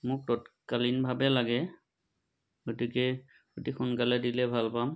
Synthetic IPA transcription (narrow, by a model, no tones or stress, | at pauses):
mʊk̚tɔtkalinbʱabɛlaɡɛ | ɡotikɛ | kotixunkalɛdilɛbʱalpam